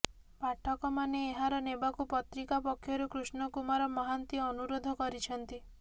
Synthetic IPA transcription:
paʈʰɔkɔmaneːɦaɾɔnebakupɔt̪ɾikapɔkʰːjɔɾukɾusnɔkumaɾɔmɔɦant̪iɔnuɾod̪ʱɔkɔɾit͡ʃʰɔnt̪i

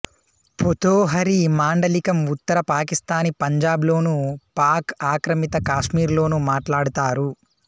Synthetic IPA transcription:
pot̪oːɦɐɾimaːɳɖɐlikɐmut̪ːɐɾɐpaːkist̪aːnipɐɲd͡ʒaːblo̞ːnupaːkaːkɾɐmit̪ɐkaːʂmiːɾlo̞ːnumaːʈlaːɽut̪aːɾu

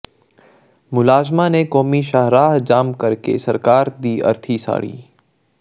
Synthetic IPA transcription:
mʊlaːzmanekɔːmiʃaɦɾaːɦd͡ʒaːmkɐɾkḛsɐɾkaːɾd̪iːɐ̰ɾt̪ʰisa̰ːɽḭː

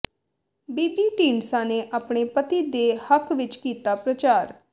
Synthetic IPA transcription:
biːpiːʈĩːɳsãːneːʔaːpɳeːpət̪iːd̪eːhəkʋɪt͡ʃkiːt̪aːpɾət͡ʃaːɾ

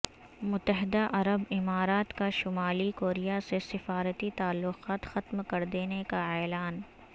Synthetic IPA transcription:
mʊt̪ːəɦɪd̪aʔɐɾəbɪmaːɾaːt̪kaʃʊmaːlikoːɾijasesɪfaːɾət̪it̪aːlːʊqaːt̪xɐt̪mkɐɾd̪eːnekaɛːlaːn

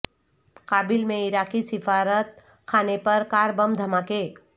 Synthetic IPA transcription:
kabilmeiɾakisifʰaɾət̪̚ | kʰanepəɾkaɾbəmd̪ʱəmake

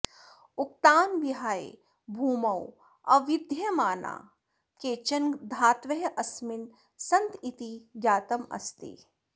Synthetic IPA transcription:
ʊk̚t̪aːnʋiɦaːḛ | bʱuːmɐw | ɐʋɪd̪ʱjɐmaːna̰ː | keːt͡ʃɐnd̪ʱaːt̪ʋɐɦʔɐsmɪn | sɐnt̪it̪iɡjaːt̪ɐmɐ̰st̪ḭ

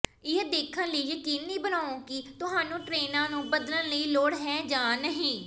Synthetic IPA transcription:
ɪd̪eːkʰənləiːjəkiːnːiːbənaːõːkɪt̪ʊɦaːnũːʈɾeːnãːnũːbəd̪lənləiːloːɽɦɛ̃ːd͡ʒãːnəɦĩː

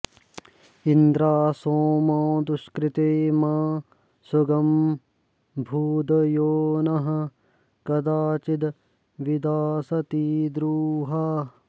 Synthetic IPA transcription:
ind̪ɾaːsoːmãːd̪uʃkɾit̪eːmaː | sɐɡɐm | bʱuːd̪joːnɐɦɐ̆ | kɐd̪aːt͡ʃid̪ | ʋid̪aːsɐt̪iːd̪ɾuːɦaː

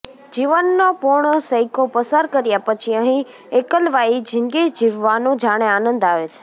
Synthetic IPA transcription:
d͡ʒiʋənːopʊɾɳ̃osəjkopəsaɾkəɾjapət͡ʃʰiəɦĩ | ekəlʋaid͡ʒʱɪŋɡed͡ʒd͡ʒiʋːanũd͡ʒaɽ̃eanənd̪aʋet͡ʃʰe̥

